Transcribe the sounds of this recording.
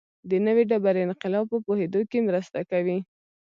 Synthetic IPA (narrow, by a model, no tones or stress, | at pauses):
d̪ənəweɖabaɾɪnqɪlɑb̚pəpohed̪okemɾəst̪akawi